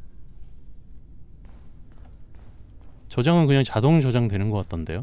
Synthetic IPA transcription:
t͡ɕʌd͡ʑaŋɯnkɯɲaŋt͡ɕadoŋd͡ʑʌd͡ʑaŋdwe̞nɯnɡʌk͈at͈̚ʌnde̞̰jo

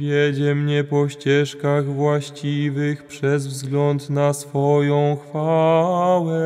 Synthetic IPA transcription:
vʲjɛd͡ʑɛmɲɛpɔɕt͡ɕɛʂkaɣvwaɕt͡ɕivɘxpʂɛzvzɡlɔnt̪nasfɔjɔ̃w̃xfa | wɛ

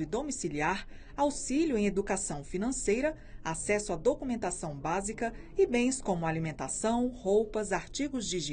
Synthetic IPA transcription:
ʊɪd̪omisiliaɾ | awsilʊẽj̃ed̪ukasɐ̃w̃finɐ̃sejɾɐ | asɛsʊad̪okumẽnt̪asɐ̃w̃bazikɐɪbẽj̃skõmʊalimẽnt̪asɐ̃w̃howpɐzaɾt͡ʃiɡʊzd͡ʒiʒi

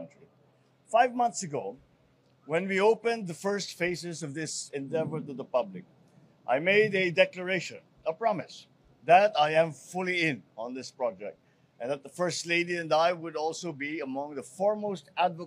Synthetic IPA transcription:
ntɹi | faɪvmʌ̃nθsɨɡoʊ | wɨ̃nwioʊpɨ̃nðəfɜ˞stfeɪsɨzʌvðɪsɛ̃ndɛvə˞ɾɨðəpʌblɪk̚ | ʔa̰ɪmeɪɾɨdɛklə˞eɪʃɨ̰̃n | əpɹ̥ɑmɨs | ðɨɾaɪɨ̃ɱfʊlˠiɪ̃nə̃nðɪspɹ̥ɑd͡ʒɛ̰k̚t̚ | ɨ̃nðət̪̚ðəfɜ˞stˡleɪɾiɨ̃naɪwəɾɔlˠsoʊbiəmʌ̃ŋðəfɔɹmoʊstædvə

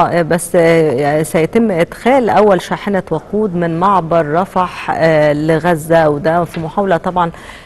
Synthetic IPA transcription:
ʔbæsː | sæjæt̪ɪmːʔed̪xæːlʔæwːælʃaːħenæwɑquːd̪mɪnmɑʕbɑɾˤːɑfɑħleɣæzːæwed̪æfimoħaːwlæt̪ˤɑbʕɑn

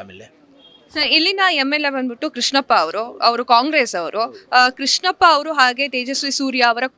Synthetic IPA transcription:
l | sɐɾilːinɐemːelːe̞bɐnd̪biʈːukɾiʂɳɐpːɐɐʋɐɾuɐʋɐɾukaːŋɡɾeːsɐʋɐɾukɾiʂɳɐpːɐːʋɐɾuɦaːɡe̞ːt̪eːd͡ʒɐsʋisuːɾjaːɐʋɐɾɐ

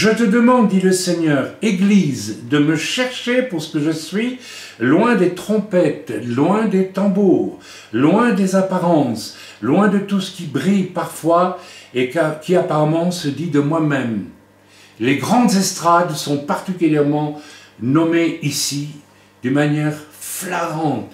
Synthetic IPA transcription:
ʒət̪əd̪əmɑ̃d̪ːiləsɛɲœːʁeɡlizd̪əməʃɛʁʃepuʁsə̥kəʒəsɥi | lwɛ̃d̪et̪χɔ̃pɛt̪lwɛ̃d̪et̪ɑ̃buːʁ | lwɛ̃d̪ezapaʁɑ̃s | lwɛ̃d̪ət̪usə̥kʲibʁijpaʁfwaekakʲiapaʁamɑ̃səd̪id̪əmwamɛm | leɡʁɑ̃d̪zɛst̪χad̪sɔ̃paʁt̪ikʲyljɛʁmɑ̃nɔmeisi | d̪ynmanjɛʁflaʁɑ̃t̪

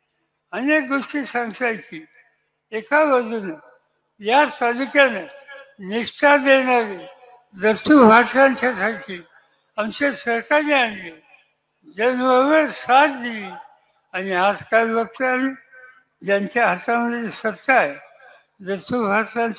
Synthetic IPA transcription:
ənek̚ɡ̪uʂʈisãŋɡt̪ajkiː | ekaʋəd̪ʱunə | jasad̪ikaneniʂʈʰad̪eñaɾe | d͡zət̪ubʱaãɲt͡ɕasakiː | amt͡ɕesəɾkaɾianle | d͡zenʋəʋəɾsatd̪ili | aniad͡zkalibək̚t̪əane | d͡ʑjaɲt͡ɕjaɦət̪aməd̪ʱːjesət̪ːae | d͡zət̪ubʱatan

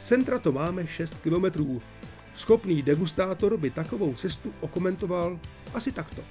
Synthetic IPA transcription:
t͡sɛnt̪ɾat̪omaːmɛʃɛst̪kɪlo̞mɛt̪ɾuː | sxo̞pniːdɛɡust̪aːt̪o̞ɾbɪt̪ako̞vo̞wt͡sɛst̪uʔo̞ko̞mɛnt̪o̞val | ʔasɪt̪akt̪o̞

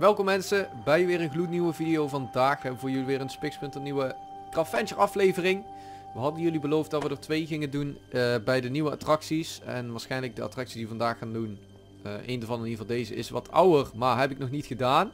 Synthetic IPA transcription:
ʋɛlˠkɔmɛnsəbɛjʋɪːrənɣlutniʋəvidijowvɑndaːxɛbəʋəvʊːɹjɵliʋɪːrənspɪkspɵntɔpniʋə | trɑfɛnt͡ʃəɹɑflejvərɪŋ | ʋəɦɑdənjɵlibəlowftdɑtʋədəɹtʋejɣɪŋədunbɛjdəniʋəa̰trɑksisɛ̰nʋaːɹsχɛjnləɡ̚dəɑ̰trɑksi̥sdiʋəvɑndaːxaːndun | ʔejndəɹvɑnənivɑndejzə̰ɪ̰sʋɑ̰tʰʌ̰wərmaːɹɦɛpɪknɔχnitχədaːn

